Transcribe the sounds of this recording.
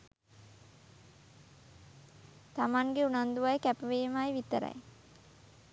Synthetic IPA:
t̪amaŋɡeunand̪uʋajkæpəʋeːmajʋit̪əɾɐ̰j

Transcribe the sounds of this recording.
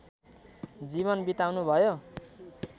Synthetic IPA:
d͡ziβʌnbit̪awnubʱʌjo

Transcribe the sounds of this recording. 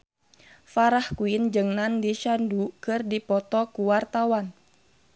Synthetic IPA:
faɾahkuind͡ʒɨŋnandiʃandukɨrdipɔt̪ɔkuwart̪awan

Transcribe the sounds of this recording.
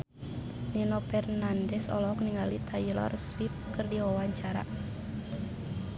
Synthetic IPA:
ninɔpɛrnandɛsɔ̰lɔɔk̚niŋalit̪ʰailɔ̰rswip̚kɨrdiwawaɲt͡ʃaɾa̰

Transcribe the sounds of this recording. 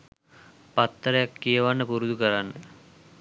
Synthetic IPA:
pat̪ːəɾejakːijəʋanːəpuɾud̪ukəɾanːə

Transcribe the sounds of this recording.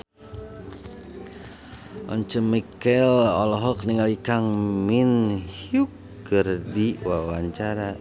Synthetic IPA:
ʔɔ̰ɲt͡ʃəmikɛlɔ̰lɔɦɔk̚niŋalikaŋminhjuk | ərdiwawaɲt͡ʃaɾa

